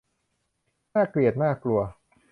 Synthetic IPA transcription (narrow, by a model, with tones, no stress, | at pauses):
aː˥˩kli˨˩ət̪̚naː˥˩klu˧ɐ